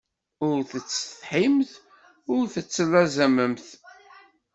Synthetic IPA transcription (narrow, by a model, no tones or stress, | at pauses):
ʊɾθət͡sːə̥θħimθ | ʊɾθət͡sːəlːæzæməmθ